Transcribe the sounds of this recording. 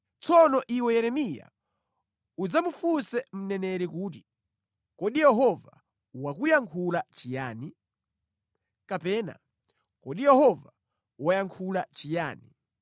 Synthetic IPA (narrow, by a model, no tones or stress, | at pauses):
t͡sɔnɔʔiwɛjɛɾɛmija̰ | ud͡zamufusɛm̩nɛnɛɾɛkuːt̬i̥ | kɔɗijɛɦɔva̰ | wakujaŋkʰulat͡ʃijaːni | kapɛːna̰ | kɔɗijɛhɔva | wajaŋkʰulat͡ʃija̰ːni